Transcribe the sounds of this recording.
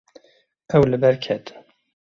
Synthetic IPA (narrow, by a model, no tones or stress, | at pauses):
ɛwlɨbɛɾkʲʰɛt̪